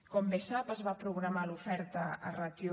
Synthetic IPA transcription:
kɔmbesapəzβapɾuɣɾamalufɛɾt̪əə̰rat̪ju

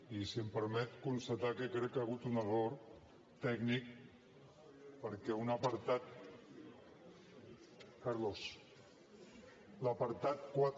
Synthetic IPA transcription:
isiəmpəɾmɛt̪kunst̪at̪akəkːɾɛkːaɣut̪unəroɾ | t̪ɛɡnik̚ | pəɾkɛunəpəɾt̪at̪̚ | kəɾlos | ləpəɾt̪at̪̚kwat̪

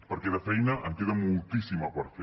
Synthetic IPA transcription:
poɾkeðafɛjnaʔaŋkeðamolt̪isimapaɾfe

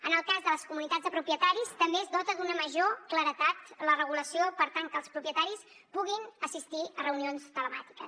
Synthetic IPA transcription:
ənəlˠkazðələskumunit̪add͡zðəpɾupjət̪aɾist̪əmbeəzdɔt̪əðunəməʒokləɾət̪at̪lərəɣuləsiopəɾt̪aŋkəlˠspɾupiət̪aɾis | puɣinəsist̪iərəunionst̪ələmat̪i̥kəs

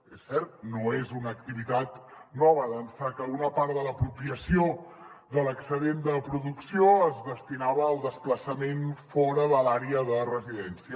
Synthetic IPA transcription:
esːɛrt̪̚noezunəkt̪iβit̪at̪nɔβəðənsakəunəpaɾðələpɾupiəsioðələksəðend̪əpɾuðuksioəzðəst̪inaβəːlˠd̪əspləsəmenfɔɾəðəlaɾeəðərəziðɛnsiə

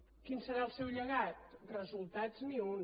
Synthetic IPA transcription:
kinsəɾaəlˠsɛwʎəɣat̪̚rəzulˠt̪adzniun

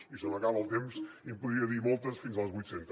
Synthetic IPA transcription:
isənõkaβəlˠt̪emsimpuðɾiɐðiɾmolˠt̪ɐsfinzalˠzβujt̪sent̪

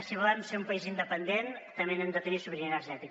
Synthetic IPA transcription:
siβolamseumpəizind̪əpənd̪ent̪əmenemd̪ət̪ənisuβɾiinəɾʒɛt̪ik

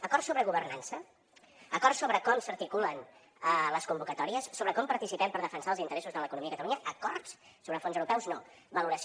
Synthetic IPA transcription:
əkɔɾrsːoβɾəɣuβərnansə | əkɔɾrsoβɾəkɔmsəɾt̪ikulən | ləskumbukət̪ɔɾiəsːoβɾəkɔmpəɾt̪isipɛmpəɾðəfənsaəlˠzint̪əɾɛsuzðələkunumiəkət̪əluɲəʔəkɔrtsː | oβɾəfonzəwɾupɛwzno | bəluɾəs

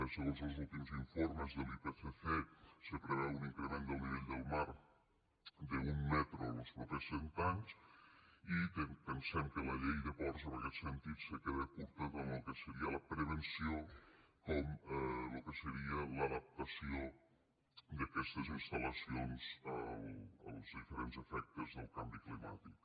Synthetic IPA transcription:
əsəozəlˠzulˠt̪imziɱfoɾməzðəlipefeθesəpɾəβeluninkɾəɣɾend̪əlˠniβeʎd̪əlˠmaɾ | d̪əumːɛt̪ɾonəlˠspɾut̪ɾesent̪aɲs | it̪əpənsɛmkələʎejðəβɔɾzənəkɛt̪sənt̪it̪səkeðəkuɾt̪ək̪əməlˠkəsəɾiələpɾəβ̞ənsiokɔmlukəsəɾiələðəp̚t̪əsio | d̪əkɛst̪əzinst̪ələsionz̥əlˠə̰lˠzðifəɾenzəfɛk̚t̪əzðəlˠkambiklima̰t̪ik

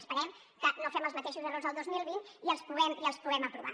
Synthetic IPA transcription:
spəɾɛm | kənofɛməlzmət̪eʃuzərozðəlˠd̪ozmilˠβiniəlˠspuɣɛmiəlˠspuɣɛməpɾuβ̞a̰

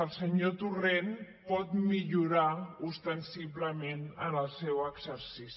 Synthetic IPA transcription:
əlˠsəɲot̪uren | pɔt̪miʎuɾaust̪ənsiβləmenənəlˠsɛwəɡzəɾsis

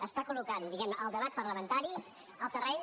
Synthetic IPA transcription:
əst̪akulukand̪iɣɛmnəʔəlˠd̪əβat̪̚pəɾləmənt̪aɾi | əlˠt̪ərɛɲ

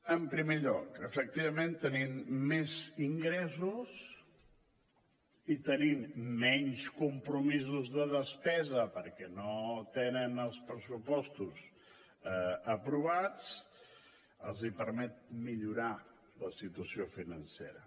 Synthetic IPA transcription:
əmpɾimeʎɔkəfək̚t̪iβəmẽnt̪ənimːɛziŋɡɾɛzus | it̪ənimːɛɲskumpɾumizuzðəðəspɛzəpəɾkɛnot̪enənəlˠspɾəsupɔst̪uz | əpɾuβ̞at͡s | əlˠzipəɾmɛt̪̚miʎuɾa | ləsit̪uəsiofinənsḛɾə

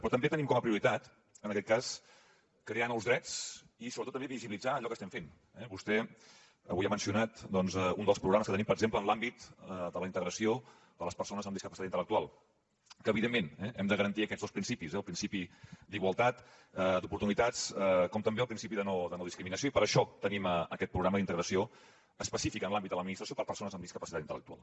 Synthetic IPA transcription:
pɾɔt̪əmbet̪ənimkɔməpɾiuɾit̪at̪ | ənəkɛt̪kas | kɾeanɔwzðɾɛt͡s | isoβɾtot̪ːəmbeβiziβilid͡zaːʎɔkəst̪ɛmfen | ɛβust̪ɛ | ə̰βujamənsiunat̪d̪ɔnzəund̪əlˠspɾuɣɾaməskət̪ənimpəɾəɡzempləːnlambit̪əd̪ələint̪əɣɾəsio | d̪ələspəɾsonəzəmd̪iskəpəsit̪aint̪ələkt̪ualˠ | kəːβiðemːenɛʔɛmd̪əɣəɾənt̪iəkɛdd͡zzðospɾinsipizɛəlˠpɾinsipid̪iɣwəlˠt̪at̪ | əd̪upuɾt̪unit̪at͡skɔmt̪əmbeəlpɾinsipiðənod̪ənoðiskɾiminəsijoipəɾəʃɔt̪əniməəkɛt̪̚pɾuɣɾaməðint̪əɣɾəsio | əspəsifikənlambit̪d̪ələd̪minist̪ɾəsiopəɾpəɾsonəzəmd̪iskəpəsit̪at̪int̪ələ̰k̚t̪ua̰lˠ

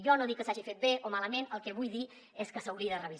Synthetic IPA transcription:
ʒɔnoðikːəsaʒifet̪̚beʔomaləmenəlˠkɛβujði | eskəsəwɾiəðərəβiz

